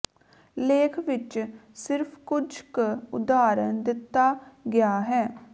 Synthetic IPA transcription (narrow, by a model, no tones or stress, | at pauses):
leːkʰʋɪt͡ʃsɪɾpʰkʊd͡ʒkʊ̰d̪aːɾənd̪ɪt̪ːaːɡɪjaːɦɛː